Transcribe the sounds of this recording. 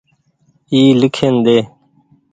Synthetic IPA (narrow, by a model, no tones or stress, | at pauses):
iːlɪkʰend̪eː